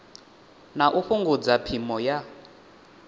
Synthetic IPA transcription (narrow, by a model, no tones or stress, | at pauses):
naʔuɸuŋɡud͡zapʰimɔja